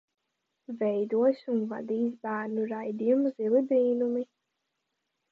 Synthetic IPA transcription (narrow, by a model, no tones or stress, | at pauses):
vɛjd̪uɔsʲunva̰d̪iːs̬bæːɾnuɾajd̪ijumzilibɾiːnumi